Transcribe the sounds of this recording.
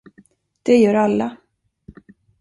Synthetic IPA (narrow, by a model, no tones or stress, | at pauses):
d̪̥ɛjœːɾalːa